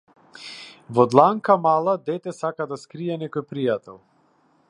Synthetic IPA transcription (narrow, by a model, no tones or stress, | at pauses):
vɔd̪lˠaŋkamalˠad̪ɛt̪ɛsakad̪askɾiɛnɛkɔjpɾijat̪ɛlˠ